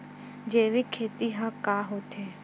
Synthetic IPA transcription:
d͡ʒeːʋikʰeːt̪iɦãkaːɦoːt̪eː

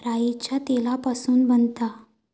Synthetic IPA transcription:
ɾajit͡ɕjat̪elapasuːnbənt̪a

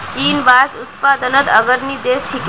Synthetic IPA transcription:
t͡ʃiːnʋaːsʊt̪̚paːd̪ənət̪əɡəɾnid̪eːst͡ʃʰik

